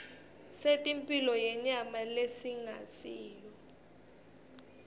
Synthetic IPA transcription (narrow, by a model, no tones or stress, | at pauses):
setʼimpʼilɔjɛɲamalesiŋa̰siːjɔ